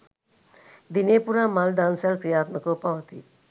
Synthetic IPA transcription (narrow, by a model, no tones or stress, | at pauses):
d̪ineːpuɾaːmald̪ansalkɾijaːt̪məkopɐʋət̪i